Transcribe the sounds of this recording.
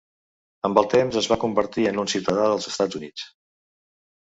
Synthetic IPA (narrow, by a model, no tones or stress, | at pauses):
əmbəlˠt̪emzəzβakumbəɾt̪iənunsiwt̪əðaðəlˠzəst̪ad͡zunit͡s